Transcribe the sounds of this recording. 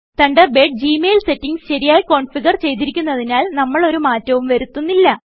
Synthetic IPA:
t̪ɐɳɖɐbeːɖ̚d͡ʑiːmeːlse̞tːiŋsɕɐɾijaːjko̞ːɳfiɣɐrt͡ɕe̞jt̪iɾikʲːunːɐðinaːlnɐmːɐɭo̞ɾumaːtːɐʋumʋɐɾut̪ːunːilːɐ

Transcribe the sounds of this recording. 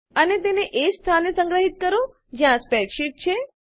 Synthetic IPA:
ənet̪eneʔest̪ʰanesə̃ŋɡɾəɦit̪̚kəɾõ | d͡ʒjãspɛʈʃiʈ̚t͡ʃʰe

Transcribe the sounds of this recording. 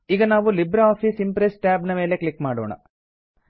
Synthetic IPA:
iɡɐnaːʋulibɾɐaːpʰisimpɾesʈaːbnɐme̞ːle̞klikmaːɽoːɳɐ̰

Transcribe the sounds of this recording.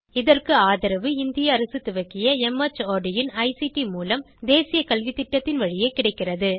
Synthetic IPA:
ɪðɐrkɯaːðɐɾɐʋɯɪnd̪ɪjɐːɾɐsɯt̪ːʊʋɐkːɪjɐɛmɐt͡ʃːoːɖɪjɪnɐɪsiʈimuːlɐm | d̪eːsɪjɐkɐlʋit̪ɪʈːɐt̪ːɪnʋɐɻɪjeɪkːɪɽɐɪkːɪrɐðɯ

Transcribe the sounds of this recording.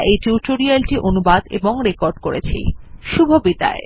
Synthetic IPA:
ʔejʈuʈoɾialʈiʔonubad̪eboŋɾekoɾɖkoɾet͡ɕʰḭʃubʱobit̪a̰e

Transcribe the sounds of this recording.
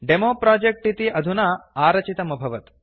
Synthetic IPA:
ɖemopɾad͡ʑek̚ʈit̪iːʔɐd̪ʱunaaːɾɐt͡ɕit̪ɐmɐbʱɐʋət̪

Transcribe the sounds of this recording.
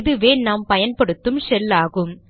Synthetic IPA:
ðɯʋeːnaːmpɐjɐnpɐɽɯt̪ːɯmsɛlːaːɣɯm

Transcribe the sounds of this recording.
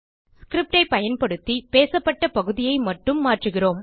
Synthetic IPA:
skɾɪp̚ʈɐɪpɐjɐnpɐɽɯt̪ːipeːsɐpːɐʈːɐpɐɣɯðɪjɐɪmɐʈːɯmːaːʈrɯɣɪroːm

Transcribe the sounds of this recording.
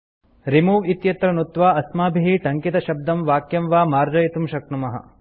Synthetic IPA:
ɾimuːʋit̪jɐt̪ɾɐnut̪ʋaːɐsmaːbʱiɦiʈɐŋkit̪ɐʃɐb̚d̪ɐmʋaːkjɐmʋaːmaːɾd͡ʒɐjit̪umʃɐknumɐɦɐ̰

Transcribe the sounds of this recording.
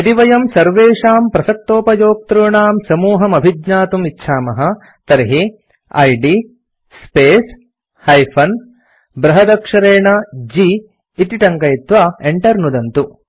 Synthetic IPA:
ɐt̪iʋɐjɐmsɐɾʋeːʂaːmpɾɐsɐk̚t̪oːpɐjoːk̚t̪ɾuːɳaːmsɐmuːɦɐmɐbʱid̪ɲaːt̪umitːʃʰaːmɐɦɐ̆ | t̪ɐɾɦi | ɐ̰jɖi | speːs | hɐjpʰɐn | bɾɐɦɐd̪ɐkʂɐɾeːɳɐd͡ʒiː | t̪iʈɐŋkɐjit̪ʋaeɳʈɐɾnud̪ɐnt̪u

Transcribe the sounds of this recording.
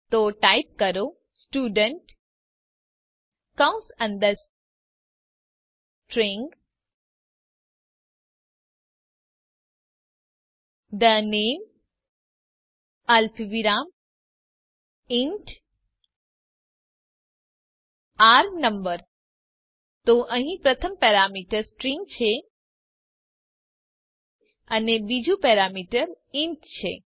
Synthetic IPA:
t̪oːʈaɪp̚kɐɾoː | sʈuːɖə̃ɳʈ | kãʊ̃sə̃nd̪əs | ʈɾẽŋɡ | d̪ənẽːm | ɐlfiʋiɾaːm | iɳʈ | aɾnəmbəɾ | t̪oʔəɦĩpɾət̪ʰəmpɛɾamiʈəɾsʈɾiŋɡt͡ʃʰe | ənebid͡ʒũpɛɾamiʈəɾ | iɳʈt͡ʃʰḛ

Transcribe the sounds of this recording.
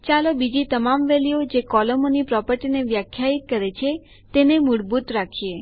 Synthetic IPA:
t͡ʃalobid͡ʒit̪əmamʋeliod͡ʒekɔləmonipɾɔpəɾʈineʋjakʰjait̪̚kəɾet͡ʃʰe | t̪enemuɽbut̪ɾakʰie

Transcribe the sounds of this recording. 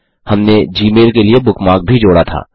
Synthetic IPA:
hɐmned͡ʒiːmeːlkeliebʊkmaːk̚bʱid͡ʒoːɽat̪ʰa̰ː

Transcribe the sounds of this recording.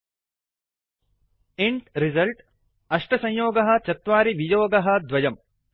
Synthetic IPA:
iɳʈɾizɐlʈ | ɐʂʈɐsɐ̃ɲjoːɡɐɦɐ̆t͡ʃɐt̪ʋaːɾiʋijoːɡɐɦɐ̆d̪ʋɐjɐm

